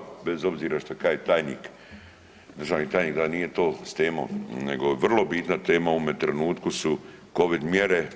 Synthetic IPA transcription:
bezo̞bziːɾaʃt̪okaːjet̪aːjniːk | d̪ɾr̩ʒaːʋnit̪aːjniːkd̪aniːje̞t̪oːst̪eːmo̰nḛɡoʋr̩lˠo̞bit̪nat̪e̞ːmaoomet̪ɾenuːt̪kusu | ko̞ʋid̪mjeɾe

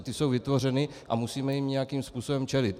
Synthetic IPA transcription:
t̪ɪso̞wvɪt̪vo̞rɛnɪ | ʔa̰musiːmɛjimɲɛjakiːmspuːso̞bɛmt͡ʃɛlɪt̪

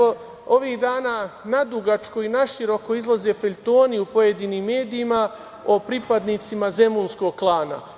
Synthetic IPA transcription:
o | o̞ʋihd̪aːnaːnad̪uɡat͡ʃkoinaʃiɾo̞ko̞izlˠaze̞feʎʲt̪o̞ːniupo̞je̞d̪iːniːmːe̞ːd̪iːma | o̞pɾipad̪nit̪simaze̞munsko̞ɡ̚klˠaːna̰

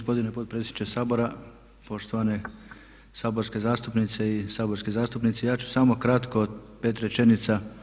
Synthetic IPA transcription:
ospo̞d̪inepot̪̚pɾeenit͡ʃesaːbo̞ɾa | po̞ʃt̪oʋane | saːboɾske̞zaːst̪upnit̪se̞isaːboɾskezaːst̪upnit̪sejaːt͡ɕu̥samo̞kɾat̪koːd̪peːt̪ɾet͡ʃe̞nit̪sa

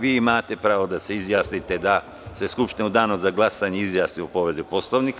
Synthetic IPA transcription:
ʋiːimaːt̪e̞pɾaːʋo̞d̪ase̞izjaːsnit̪e̞d̪a | se̞skupʃt̪inud̪aːnozaɡlˠasaɲeizjaːsniopo̞ʋed̪upo̞slˠoʋnik

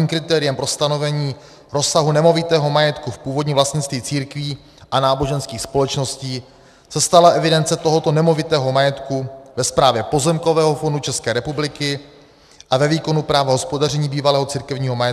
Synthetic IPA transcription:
iːmkɾɪt̪ɛːɾɪjɛmpɾo̞st̪ano̞vɛɲiː | ɾo̞saɦunɛmo̞vɪt̪ɛːɦo̞majɛt̪kufpuːvo̞dɲiːmvlast̪ɲɪt̪st̪viːt͡siːɾkviː | ʔanaːbo̞ʒɛnskiːxspo̞lɛt͡ʃno̞sciː | sɛst̪alaʔɛvɪdɛnt͡sɛt̪oɦo̞t̪o̞nɛmo̞vɪt̪ɛːɦo̞majɛt̪kuvɛspɾaːvjɛpo̞zɛmko̞vɛːɦo̞fo̞ndut͡ʃɛskɛːɾɛpublɪkɪ | ʔavɛviːko̞nupɾaːvaɦo̞spo̞darɛɲiːbiːvalɛːɦot͡siɾkɛvɲiːɦo̞majɛt̪

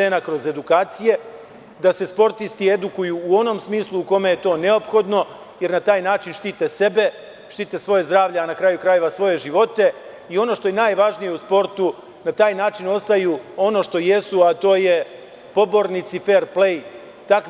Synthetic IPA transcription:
e̞ːnakɾo̞ze̞d̪ukaːt̪sije̞ | d̪ase̞spo̞ɾt̪ist̪ie̞d̪ukujuːo̞no̞msmiːslˠuːko̞me̞je̞t̪o̞ːne̞o̞pxo̞d̪no̞ | je̞ɾnat̪aːjnaːt͡ʃinʃt̪it̪ese̞be̞ | ʃt̪iːt̪esʋo̞je̞zd̪ɾaːʋʎeanakɾaːjukɾaje̞ʋasʋo̞je̞ʒiʋo̞t̪e̞ | io̞no̞ːʃt̪o̞jenaːjʋaʒnije̞uspo̞ɾt̪u | nat̪aːjnaːt͡ʃino̞st̪ajuo̞no̞ʃt̪o̞je̞suat̪o̞ːje̞ | po̞bo̞ɾnit̪sife̞ɾplej | t̪ak

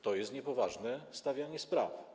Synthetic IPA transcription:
t̪ɔjɛst̪ɲɛpɔvaʐnɛst̪avʲjaɲɛspɾa̰f

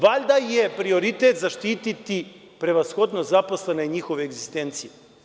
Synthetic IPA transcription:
ʋaʎʲd̪ajepɾio̞ɾit̪et̪zaʃt̪iːt̪it̪i | pɾe̞ʋasxo̞d̪nozapo̞sleneiɲixo̞ʋeːɡzist̪ent̪sije

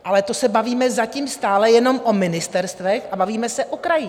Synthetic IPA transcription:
ʔalɛt̪o̞sɛbaviːmɛzaciːmst̪aːlɛjɛno̞mʔomɪnɪst̪ɛɾst̪vɛxʔabaviːmɛsɛʔokɾaji

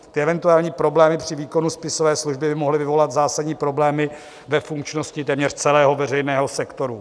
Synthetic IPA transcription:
t̪ɪʔɛvɛnt̪uaːlɲiːpɾo̞blɛːmɪpr̥ɪviːko̞nuspɪsovɛːsluʒbɪbɪmo̞ɦlɪvɪvo̞lat̪zaːsadɟɲiːpɾo̞blɛːmɪ | vɛfuŋkt͡ʃnoscɪt̪ɛːmɲɛr̥t͡sɛlɛːɦo̞vɛrɛjnɛːɦo̞sɛkt̪o̞ɾu

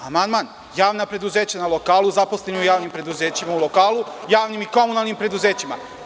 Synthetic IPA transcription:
amand̪man | jaːʋnapɾe̞d̪uze̞ːt͡ɕanalˠo̞kaːlˠuzapo̞slenoujaːʋnimpɾe̞d̪uze̞ːt͡ɕimaulo̞kaːlujaːʋnimiko̞munalˠnimpɾe̞d̪uze̞ːt͡ɕima̰

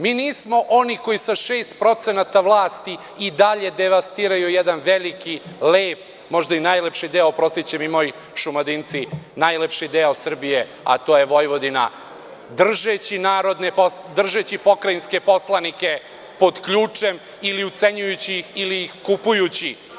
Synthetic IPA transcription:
miːniːsmo̞ʔoniko̞isaʃeːst̪pɾo̞t̪senat̪aʋlˠaːst̪i | id̪aʎe̞d̪eʋast̪iːɾajujɛd̪anʋelikileːp | mo̞ʒd̪ainaːjlepʃid̪eopɾo̞st̪it͡ɕemimo̞ːj | ʃumad̪int̪sinajlepʃid̪eosr̩bije | a̰t̪o̞ːjeʋo̞jʋo̞d̪ina̰ | d̪r̩ʒet͡ɕinaːɾo̞d̪nepod̪r̩ʒet͡ɕipo̞kɾajinske̞po̞slˠanike | po̞d̪kʎuːt͡ʂem | iliut̪se̞ɲujut͡ɕiixiliːxkupujut͡ɕi

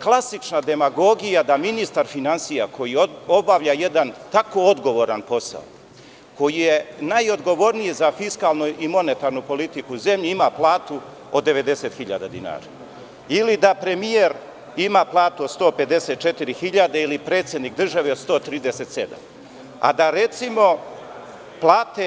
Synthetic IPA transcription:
klˠasit͡ʂnad̪e̞maɡo̞ɡijad̪aminist̪aɾfinansijako̞jiobaʋʎaje̞d̪ant̪ako̞od̪ɡo̞ʋo̞ɾanpo̞sa̰o | ko̞jije̞najo̞d̪ɡo̞ʋo̞ɾnijizafiskalˠnuʔimo̞ne̞t̪aɾnupo̞lit̪ikuuze̞mʎiimaplˠaːt̪u | od̪ːe̞ʋe̞d̪e̞se̞t̪xiʎa̰d̪ad̪ḭna̰ːɾa̰ | ilid̪apɾemieɾ | imaːplˠaːt̪uost̪o̞ːpe̞d̪e̞set̪̚t͡ʃe̞t̪iɾixiʎad̪eilipɾet̪sje̞d̪nik̚d̪r̩ʒaʋeod̪st̪o̞ːt̪ɾiːd̪eset̪se̞d̪a̰m | a̰d̪aɾet̪simo̞ | plˠaːt̪e

